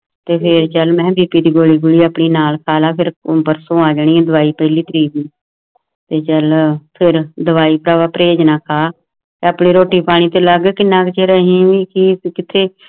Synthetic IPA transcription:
t̪eːpʰɪɾt͡ʃəlmɛ̃ːbiːpiːd̪iːɡoːliːɡʊliːaːpɳiːnaːlkʰaːlaːpʰɪɾbəɾsõːaːd͡ʒaɳ̃iːɛ̃d̪əʋaːiːpəɦliːt̪əɾiːbiː | t̪eːt͡ʃəlpʰɪɾd̪əʋaːiːpɾaːʋaːpɾeːd͡ʒnãːkʰaː | t̪eːaːpɳiːɾoːʈiːpaːɽ̃ĩːt̪eːləɡkɪnːãːkt͡ʃeːɾəɦĩːʋiːkikɪt̪ʰeː

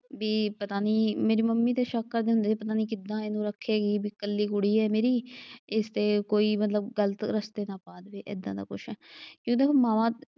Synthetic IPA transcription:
biːpət̪aːniːmeːɾiːməmːiːt̪eːʃəkʰːəɾd̪eːɦʊ̃nd̪eːeːpət̪aːniːk̬ɪd̪ãːenũːɾəkʰːeːɡiːbiːkəlːiːkʊɽiːɛːmeːɾiːeːst̪eːkoːiːmət̪ləbɡələt̪ɾəst̪eːnãːpaːd̪ʋeːʔɪ̰d̪ːãːd̪a̰ːkʊ̰ʃʰɛːkjõːt̪eːoːmãːʋãː

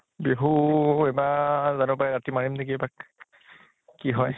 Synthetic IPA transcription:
beɦuɛbazanupaɛɹatimaɹimnekiebak | iɦɔj

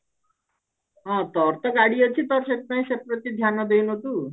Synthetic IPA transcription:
ɦɔ̃t̪ɔɾt̪ɔɡaɽiot͡ʃʰit̪ɔɾʃet̪paj̃ʃepɾot̪id̪ʱjanɔd̪ewnot̪u

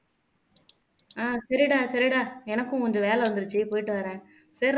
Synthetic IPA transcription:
aːsɐɾɪɽaːsɐɾɪɽaːɛnɐkːʊ̃kɔnd͡ʒɯʋeːlɛʋɐnd̪ɯɾɯt͡ʃːɯpoːjɪʈːɯʋɐɾɛ̃ː | sɐɾ

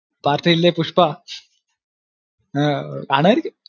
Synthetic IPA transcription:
paɾʈilepuʂpa | aɽ̃əɾik

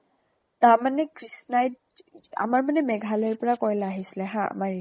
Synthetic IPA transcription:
taɹmanɛkɹisnajd | a̰maɹmanɛmɛɡʱalɛɹpɔɹakoɹlɛaɦisilɛɦãa̰maɹi

